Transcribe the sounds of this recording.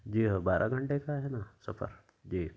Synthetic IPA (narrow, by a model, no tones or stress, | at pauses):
d͡ʒiːɦobaːɾʔa̰ɡʱɐ̃ɳʈekaɦɛːnasɐfʰə̰ɾ | d͡ʒiː